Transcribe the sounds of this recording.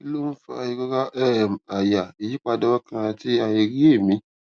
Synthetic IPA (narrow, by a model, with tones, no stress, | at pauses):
i˦lo˦n̩˦fa̰˧˨˧i˧ɡɔ˦ɡa˦ʔɛ˦˨m˨a˨ja˨i˨ji˦k͡pa˧dɔ˦wa˦kã˧a˧ti˦a˧e˧ɾi˦e˦˨mĩ˨˦